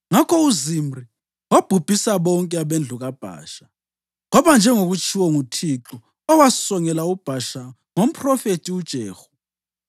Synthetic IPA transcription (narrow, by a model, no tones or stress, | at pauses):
ŋakʰɔuzimri | wab̥ʱub̥ʱisaβɔŋkʼɛaβend͡ɮʱuɣab̥ʱa̰ːʃḁ | ŋɔβand͡ʒʱɛŋoɣut͡ʃʰʼiwɔŋutʰiǁu | ɔwasɔŋɛlaub̥ʱaʃa | ŋom̩pʰʼrɔfetʼiud̥ʒ̥ʱɛːxɔ̥